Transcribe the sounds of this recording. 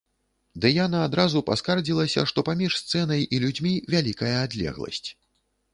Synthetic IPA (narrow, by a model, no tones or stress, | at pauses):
d̪ɨjanaːd̪ɾazupa̰skard͡zʲilˠɐsʲɐ̰ʂt̪ɔpamʲiʂst̪sɛn̪ɐjilʲud͡zʲmʲivʲalʲikɐjɐːd̪lʲɛ̰ɣlˠɐ̰sʲt͡sʲ